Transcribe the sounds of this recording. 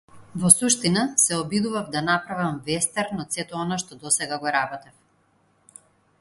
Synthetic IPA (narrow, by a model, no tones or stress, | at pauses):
vɔsuʃt̪inasɛɔbid̪uvavd̪anapɾavamvɛst̪ɛɾnɔt̪sɛt̪ɔɔnaʃt̪ɔd̪ɔsɛɡaɡɔɾabɔt̪ɛf